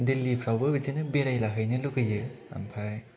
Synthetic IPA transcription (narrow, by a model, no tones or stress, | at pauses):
dilːipʰɾawbɯbid͡ʒinɯbeɾajlaɦɯjnɯlukɯjɯa̰mpʰaj